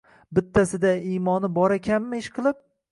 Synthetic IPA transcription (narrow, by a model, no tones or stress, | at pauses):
bɪt̪ʰːasɪd̪aimɒnɪbɒɾakʲʰamːaɪʃqʰɨlˠɪp̚